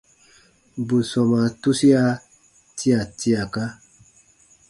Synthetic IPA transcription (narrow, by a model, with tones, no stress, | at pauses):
bu˨sɔ˨ma˨tu˦si˦a˦ | ti˦a˨ti˦a˨ka˦